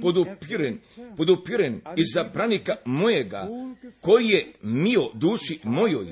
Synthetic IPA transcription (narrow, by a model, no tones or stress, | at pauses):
pod̪upiɾenpod̪upiɾenizapɾanikamojeɡa̰ko̞jijemiod̪uːʃimo̞joj